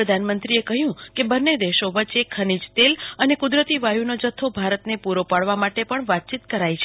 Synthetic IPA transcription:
ɾəd̪ʱanmənt̪ɾiekəɦjũkebənːed̪eʃoʋət͡ʃekʰənid͡ʒt̪elənekʊd̪ɾət̪iʋajunod͡ʒət̪ʰːobʱaɾət̪nepuɾopaɽʋamaʈepəɳʋat̪̚t͡ʃit̪kəɾajt͡ʃʰe

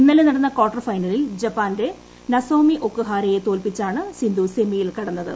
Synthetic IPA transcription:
inːɐlenɐɽɐnːɐkoːʈːɐrfɐjnɐlild͡ʑɐpːaːnde̞ | nɐsoːmiʔo̞kːɨɦaːɾejet̪o̞ːlpit͡ɕːaːɳɨsind̪use̞mijilkɐɽɐnːɐðɨ̰

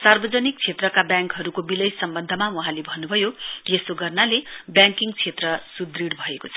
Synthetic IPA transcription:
sarbʌd͡zʌnik̚t͡sʰet̪rʌkabjãŋkɦʌɾukobilʌjsʌmbʌnd̪ʱʌmawʌɦãlebʱʌnːubʱʌjojesoɡʌrnalebjãŋkiŋt͡sʰet̪rʌsud̪riɽbʱʌekot͡sʰʌ

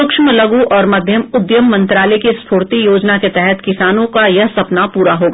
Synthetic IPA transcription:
ʊkʃməlɐɡuʔɔːɾmɐd̪ʱjəmʊd̪jəmːɐ̃nt̪ɾaːlɛkespʰoːɾt̪ijoːd͡ʒnaket̪ɛɦɛt̪kɪsaːnõkajɐɦsɐpnapuːɾaɦoːɡaː

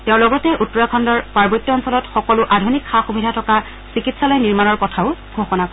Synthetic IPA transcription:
teʊ̃lɔɡɔtɛʔutːɔɹakʰɔndɔɹpaɹbɔɹit̪ːɔːnsɔlɔtxɔkɔlʊʔadʱunikxaxubʱidʱatʰɔka | sikitsalɔjniɹmanɔɹkɔtʰaʊɡʱoxɔnakɔ

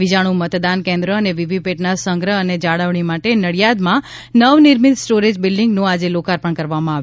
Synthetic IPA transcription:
id͡ʒaɽ̃ũmət̪d̪ankẽnd̪ɾəəneʋiʋipeʈnasəŋɡɾəəned͡ʒaɽəʋɳ̃imaʈenəɭijad̪mã | nəʋnɪɾmit̪sʈoɾed͡ʒbɪlɖiŋɡnũad͡ʒelokaɾpəɳkəɾʋamãaʋ

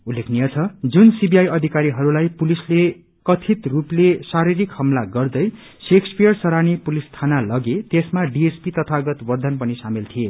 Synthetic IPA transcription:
ulːekʰnijʌt͡sʰʌd͡zunsibiajʌd̪ʱikaɾiɦʌɾulajpulisle | kʌt̪ʰit̪ruplesaɾiɾikhʌmlaɡʌrd̪ʌj | sekspijʌrsʌɾanipulist̪ʰanalʌɡet̪esmaɖiespit̪ʌt̪ʰaɡʌt̪wʌrd̪ʱʌnpʌnisamilt̪ʰije

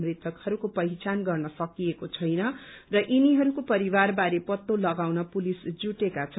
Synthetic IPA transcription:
mrit̪ʰʌkhʌɾukopʌit͡sanɡʌrnʌsʌkijekot͡sʰʌjnʌ | rʌʔiniɦʌɾukopʌɾiwarbaɾepʌt̪ːolʌɡawnʌpulisd͡zuʈekat͡sʰʌ

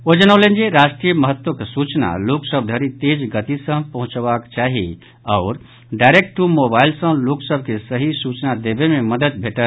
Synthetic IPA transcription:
od͡ʒənalẽnd͡ʒeɾaːʃʈɾijəməɦət̪wəksut͡ʃna̰loksəb̚ʱd̪ʱəɾit̪ed͡ʒɡət̪isə̃pəɦʊ̃t͡ʃʋakt͡ʃaːɦi | ɔʊɾ | ɖaɪɾek̚ʈʈumobaːɪlsə̃loksəbʱkesəɦisut͡ʃnad̪ebememəd̪əd̪̚bʱeʈəl

